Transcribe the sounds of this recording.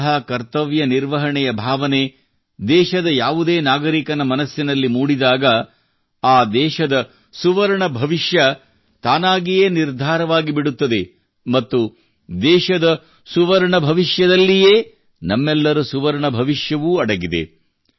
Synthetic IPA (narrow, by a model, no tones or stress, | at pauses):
ɦɐkɐɾt̪ɐʋjɐniɾʋɐɦɐɳɛjɐbʱaːʋɐne | d̪ɛːʃɐd̪ɐjaːʋud̪eːnaːɡɐɾikɐnɐmɐnɐsjɐnɐlːimuːɽid̪aːɡɐ | aːd̪ɛːʃɐd̪ɐ | suʋɐɾɐɳɐbʱɐʋiʃjɐ | t̪aːnaːɡijeːniɾd̪ʱaːɾɐʋaːɡibiɽut̪ːɐd̪e | mɐt̪ːu | d̪ɛːʃɐd̪ɐ | suʋɐɾɐɳɐbʱɐʋiʃjɐd̪ɐlːijeː | nɐmːɛlːɐɾusuʋɐɾɐɳɐbʱɐʋiʂjɐʋuːɐɽɐɡid̪ḛ